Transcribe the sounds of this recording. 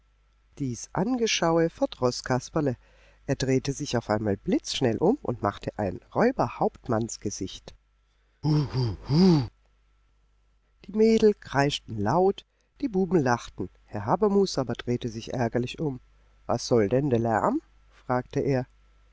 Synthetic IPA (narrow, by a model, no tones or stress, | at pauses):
d̥iːsʔa̰nɡəʃaʊəfɛɐdʁɔskʰaspɐlə | ʔeːɐdʁeːtəzɪçaʊfʔaɪnmaːlblɪt͡sʃnɛlʔʊmʊ̰ntma̰χtʰəʔa̰ɪnʁɔʏbɐhaʊptmansɡ̥əzɪçt | uhuhu | d̥iːmeːdl̩kʁ̥aɪʃtn̩laʊt | d̥iːbuːbm̩laχtn̩ | hɛɐɦaːbɐmuːsʔaːbɐdʁeːtəzɪçʔɛ̰ɐɡɐlɪçʊm | va̰sz̥ɔldɛndɛɐlɛ̰ɐm̩ | fʁ̥aːktəʔeːɐ